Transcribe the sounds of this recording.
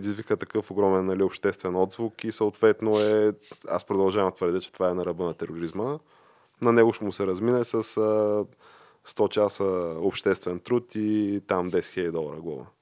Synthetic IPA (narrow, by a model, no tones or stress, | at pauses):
ɾɛd̪izvikət̪ɐkɤfoɡɾɔmɛnːɐliopʃt̪ɛst̪vɛnɔd̪zvukisəot̪vɛt̪noɛa̰spɾod̪ɐlˠʒavɐmt̪vəɾd̪ʲət͡ʃɛ̥t̪ovaɛnɐɾɐbənɐt̪ɛɾoɾizmə | nɐnɛɡʊʃt̪ɛmʊsɛɾɐzminɛsɐsə | st̪ɔt͡ʃasəopʃt̪ɛst̪vɛnt̪ɾut̪it̪amd̪ɛsɛ̥xʲilʲəd̪ʲid̪ɔlˠɐɾəɡlˠɔvə̰